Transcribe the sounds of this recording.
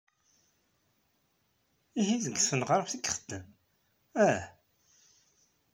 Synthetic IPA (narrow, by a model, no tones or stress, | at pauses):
ihiðəɡsfənʁɾˤfθikːχəd̪̥ːəm | æ